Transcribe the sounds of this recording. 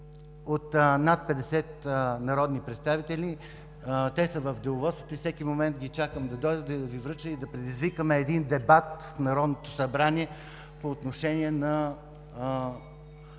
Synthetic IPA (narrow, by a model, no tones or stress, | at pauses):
ot̪nat̪̚pɛd̪ɛsɛt̪nɐɾɔd̪nipɾɛt̪st̪avit̪ɛlʲi | t̪ɛsəvɐfd̪ɛʊvɔsə̥t̪oifsɛkimomɛnt̪̚ɡʲit͡ʃakəmd̪ɐd̪ɔjd̪əd̪ɐvivɾɤt͡ʃəid̪ɐpɾɛd̪izvikəmɛːd̪ind̪ɛbat̪fnɐɾɔd̪not̪o̥sɐbɾaniɛ | poːt̪noʃɛniɛnɐ